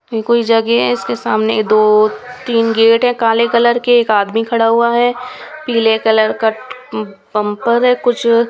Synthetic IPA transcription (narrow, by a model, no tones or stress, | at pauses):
ikoːid͡ʒɐɡeɦɛɪskesaːmned̪oːt̪iːnɡeːʈɦɛ̃kaːlekɐləɾkeːkaːd̪mikʰɐɽaɦuaɦɛːpiːlekɐləɾkaʈ | bɐ̃mpəɾɦɛkʊt͡ʃʰ